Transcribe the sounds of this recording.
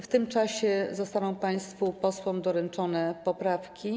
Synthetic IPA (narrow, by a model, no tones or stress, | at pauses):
ft̪ɘmt͡ʂaɕɛzɔst̪anɔ̃w̃paj̃st̪fupɔswɔ̃md̪ɔɾɛnt͡ʂɔnɛpɔpɾafkʲi